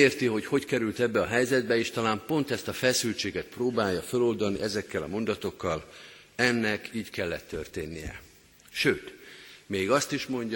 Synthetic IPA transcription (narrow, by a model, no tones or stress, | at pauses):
eːrt̪iɦo̞cho̞ckɛɾylt̪ɛbːɛɒɦɛjzɛd̪̚bɛeːʃt̪ɒlaːmpo̞nt̪ɛst̪ɒfɛsylt͡ʃeːɡɛt̪proːbaːjːɒfølo̞ld̪ɒniʔɛzɛkːɛlɒ̰mo̞nd̪ɒt̪o̞kːɒl | ɛnːɛkiːɟkɛlːɛt̪ʰːørt̪eːnːijɛ̰ | ʃøːt̪meːɡɒst̪iʃmo̞ɲɟ